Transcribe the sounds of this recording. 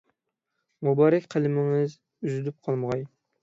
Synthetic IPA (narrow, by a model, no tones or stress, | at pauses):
mubɑːɾɛkʲqʰælɪmɪŋɪz | yzyd̪yp̚qʰɑlˠməʁɑj